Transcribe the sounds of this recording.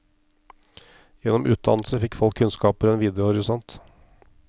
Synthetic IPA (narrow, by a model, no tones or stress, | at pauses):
jɛnːɔmʔʉːt̪̚d̪ɑ̰nl̩səfɪkːfɔlkʰːʉnskɑːpəɾɛnʋiːd̪ɛʊɔɾɪsɔnt̪